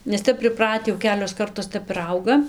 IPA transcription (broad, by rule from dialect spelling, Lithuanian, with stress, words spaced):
nʲɛs ˈtʲɛp pʲrʲɪˈprɑːtʲɪ jɛʊ ˈkʲæːlʲoːs ˈkɐrtoːs ˈtʲɛp ɪr ˈɐʊɡɐ